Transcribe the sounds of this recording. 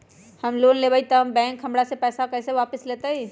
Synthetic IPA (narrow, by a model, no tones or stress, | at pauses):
həmlonlebait̪əɦəmbɛ̃ːŋkɦə̃mɽasepɛːsakəɪseʋapəslet̪əi